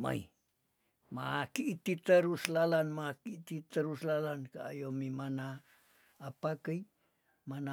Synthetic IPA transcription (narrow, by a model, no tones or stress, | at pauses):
ma̰j | makiʔt̪it̪əɾuslalanmakit̪it̪əɾuslalankaajomimanaː | pakəj | mana